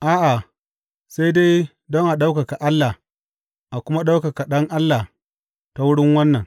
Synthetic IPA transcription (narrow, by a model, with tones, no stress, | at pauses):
ʔaː˦ʔa˨ | sa˦jde˦j | dɔ˦ŋʔa˨ɗa˦wka˨ka˨ʔa˦lːa˨ | ʔa˨kʷʊ˦ma˦ɗa˦wkɐ˨ka˨ɗɐ˦ŋʔa˦lːa˨ | ta˦wʊ˦ɽɪ˦ŋwɐ˦nːɐ˨ŋ